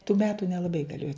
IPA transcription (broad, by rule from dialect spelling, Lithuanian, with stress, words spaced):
tuː ˈmʲæːtʊ nʲɛlˠɐˈbɐɪ ɡɐˈlʲeːjoː